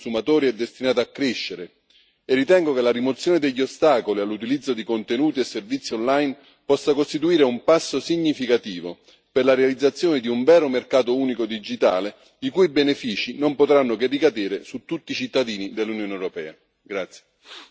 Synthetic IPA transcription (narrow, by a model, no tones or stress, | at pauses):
umat̪ɔːɾiɛd̪ːest̪inaːt̪aːkːɾeʃːeɾe | erːit̪ɛŋɡokelaɾimot̪sːjoːnɪd̪eʎːiost̪aːkolialːut̪ilid̪zːod̪ikont̪enuːt̪iesːervit̪sːiɔnlajn | pɔsːakost̪it̪̬uiːɾeumpasːosiɲːifikat̪iːvo | perlaɾealid̪zːat̪sːjoːned̪iuɱvɛːɾomerkaːt̪ouːnikod̪id͡ʒit̪a̰ːle | ikuːibenefiːt͡ʃinompot̪ɾanːokerːikad̪eːɾesut̪ːut̪ːiːt͡ʃit̪ːad̪iːnid̪elːunjoːneɛɾopɛːa̰ | ɡɾat̪sje